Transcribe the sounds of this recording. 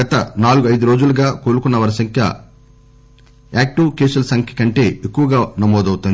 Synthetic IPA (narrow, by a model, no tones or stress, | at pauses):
ɡɐt̪ɐnaːluɡuɐjd̪uɾo̞ːd͡ʒuluɡaːkoːlukunːɐʋɐːɾɐsɐŋkʰjɐ̰ | aːk̚ʈuːkeːsɐlsɐŋkʰɐ̥kɐɳʈe̞ːekːuʋɐɡaːnɐmɔːd̪ɐwut̪und̪i